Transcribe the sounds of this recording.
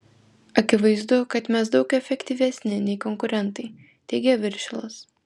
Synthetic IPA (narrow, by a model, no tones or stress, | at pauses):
ɐkʲɪʋɐɪzd̪ʊkɐt̪mʲɛsd̪ɒʊkɛfʲɛkʲt̪ʲiːʋʲɛsʲnʲɪnʲɛɪkɔŋkʊɾʲɛnt̪ɐɪ | t̪ʲɛɪɡʲɛʋʲɪɾʲʃʲɪlˠɐs